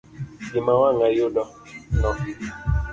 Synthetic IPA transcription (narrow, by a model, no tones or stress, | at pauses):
imãwãŋajodɔ | nɔ̃fi